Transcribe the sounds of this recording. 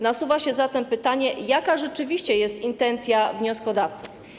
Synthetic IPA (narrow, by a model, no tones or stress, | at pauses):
nasuvaɕɛzat̪ɛmpɘt̪aɲɛjakaʐɛt͡ʂɘvʲiɕt͡ɕɛjɛst̪int̪ɛnt̪sʲjavɲɔskɔd̪aft̪suf